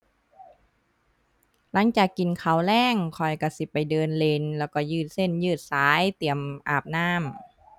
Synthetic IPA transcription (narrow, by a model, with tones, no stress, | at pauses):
la˨˦ŋt͡ɕaː˨˩kːi˨nkʰa˧˩wlɛː˧˥˩ŋkʰɔ˨˩jka˧˩si˧˦pa˨jdɤː˧nle˧nlɛː˧˩wkɔ˧˩jɯː˧˩t̪̚se˧˥˩njɯː˧˩t̪̚saː˨˦jt̪i˨˩əmʔaː˨˩p̚naː˧˥˩m